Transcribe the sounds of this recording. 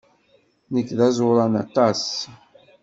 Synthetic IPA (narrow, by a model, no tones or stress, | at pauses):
nəkːðæzˤoɾˤɑnɑ̰t̪ˤɑs